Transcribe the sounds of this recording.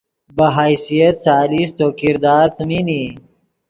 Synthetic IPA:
bɐɦaːjsijɐt̪saːlist̪oːkiɾd̪aːɾt͡səmini

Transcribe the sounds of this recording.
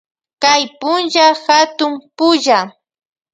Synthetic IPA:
kajpʊnʒaxat̪ʊmpʊʒa

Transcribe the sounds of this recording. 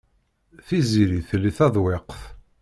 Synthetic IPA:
θiziɾiθliθæðˤweqθ

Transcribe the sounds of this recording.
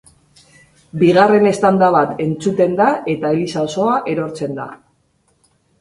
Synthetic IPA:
biɣare̞ne̞st̪and̪aβat̪e̞nt͡sut̪e̞nd̪aʔe̞t̪aelisaoso̞aʔe̞ɾo̞ɾt͡se̞nd̪a̰

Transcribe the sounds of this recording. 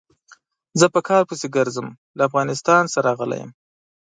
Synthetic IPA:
zəpəkʰɑɾpuseɡəɾzəm | laːfɣɑnɪst̪ɑnsaɾɑɣəla̰jə̰m

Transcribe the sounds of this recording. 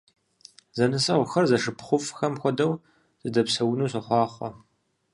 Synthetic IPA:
zɐnɨsɐʁʷxɐrzɐʂɨpʰχʷʊfʼxɐmxʷɔdɐw | z̥ɨdɐpsɐwʊnuːsɨħʷɑːχʷɔ

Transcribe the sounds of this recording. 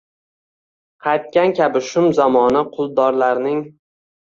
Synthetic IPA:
qʰɑjt̪̚kʲankʲabɪʃʊmzamɒnɪqʰʊlˠd̪ɒɾlaɾnɪŋ

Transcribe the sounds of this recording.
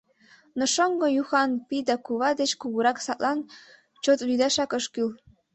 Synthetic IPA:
nŏʃoŋɡojuxɑnpid̪ɑkuβɑd̪et͡ɕkuɣuɾɑksɑt̪lʔɑn | t͡ɕot̪lyd̪ɑʃɑkəʃkyl

